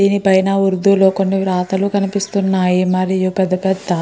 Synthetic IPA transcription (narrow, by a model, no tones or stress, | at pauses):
iːnipɐjɐnɐuɾd̪uloːkonːiʋɾaːt̪ɐlukɐnipist̪unːaːjimɐɾijupɛd̪ːɐpɛd̪ːɐ